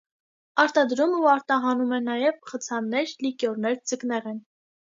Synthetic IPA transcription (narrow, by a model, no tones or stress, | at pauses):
ɑɾt̪ɑd̪ɾumuɑɾt̪ɑɦɑnumɛnɑjɛvχət͡sʰɑnːɛɾlikjɔɾnɛɾd͡zəknɛʁɛn